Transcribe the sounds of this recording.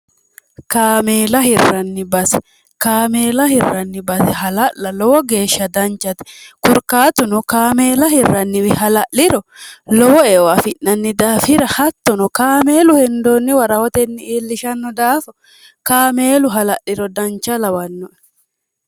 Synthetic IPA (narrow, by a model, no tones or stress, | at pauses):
kaːmeːlɐhɪrːɐnːɪbɐsɛ̥ | kaːmeːlɐhɪrːɐnːɪbɐsɛɦɐlɐʔːɐlɔwɔɡe̞ːʃːɐd̪ɐnt͡ʃːɐt̪ɛ̥kʊɾkaːt̪ʊnɔkaːmeːlɐɦɪrːɐnːɪwɪhɐlɐʔɪɾɔlɔwɔewafɪʔːɐnːɪd̪aːfɪɾɐhɐt̪ːɔnɔkaːme̞ːlʊhɛnd̪oːnːɪwɐɾɐhɔt̪ɛnːɪiːlːɪʃɐnːɔd̪aːfɔ̥ | kaːmeːlʊɦɐlɐʔɪɾɔd̪ɐnt͡ʃɐlɐwɐnːɔ